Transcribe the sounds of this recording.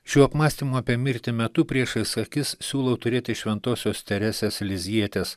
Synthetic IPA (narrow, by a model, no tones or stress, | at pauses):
ʃʲuːɐpmɑːsʲt̪ʲiːmuɐpʲiɛmʲɪɾʲt̪ʲɪmʲɛt̪ʊpʲɾʲiɛʃɐɪsɐkʲɪssʲuːlˠɐʊt̪ʊɾʲeːt̪ʲɪʃʲʋʲɛnt̪oːsʲoːst̪ʲɛɾʲæːsʲeslʲɪzʲiɛt̪ʲeːs